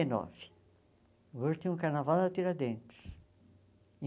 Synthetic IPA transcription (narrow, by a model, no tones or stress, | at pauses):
enɔ̰vɪ̥ | voɾt̪ĩũkaɾnavawd̪ɐt̪iɾad̪ẽnt̪ɪ̥s | ĩ